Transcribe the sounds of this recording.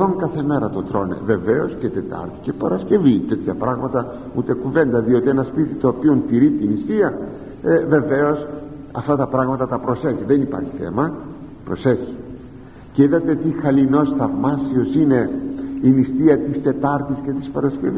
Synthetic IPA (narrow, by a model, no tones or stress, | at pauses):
oŋkɐθe̞me̞ɾɐt̪ot̪ɾo̞nḛve̞ve̞o̞sce̞t̪e̞t̪ɐ̰ɾt̪i̥ce̞pɐɾɐsce̞vit̪et̪çɐpɾɐɣmɐt̪ɐ | ut̪ekuve̞nd̪ɐðio̞t̪ienɐspit̪it̪o̞ːpio̞nt̪iɾit̪inist̪iɐ | eve̞ve̞o̞s | ɐ̰ft̪ɐt̪ɐpɾɐɣmɐt̪ɐt̪ɐpɾo̞seçiðenipɐ̰ɾçi̥θe̞̰mɐ | pɾo̞seçi̥ | ceiðɐt̪e̞t̪ixɐlino̞sθɐvmɐsio̞sine̞inist̪iɐt̪ist̪e̞t̪ɐɾt̪isce̞t̪i̥spɐɾɐsce̞vi